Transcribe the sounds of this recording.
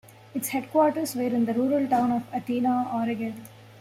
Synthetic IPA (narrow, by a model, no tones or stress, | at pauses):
ɪʈsheɖkʋɔːʈəɾsʋeːɾɪ̃nd̪əɾuːɾəlʈãʊ̃nɔʋɐʈiːnaɔːɾəɡel